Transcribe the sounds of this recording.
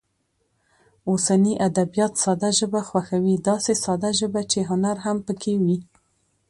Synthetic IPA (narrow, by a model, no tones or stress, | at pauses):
osaniʔad̪abijɑt̪sɑd̪aʒəbaxwaxawid̪ɑsesɑd̪aʒəbat͡ʃeɦʊnaɾɦampəkʰewi